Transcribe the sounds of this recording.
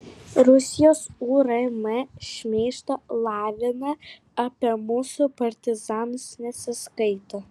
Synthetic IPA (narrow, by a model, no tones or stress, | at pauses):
ɾʊsʲɪjoːsuːɾɐmɛʃʲmʲeːʃt̪ɐlˠɑːʋʲɪnɐ | ɐpʲiɛmʊsʊpɐɾʲt̪ʲɪzɑːnsnʲɛsʲɪskɐɪt̪o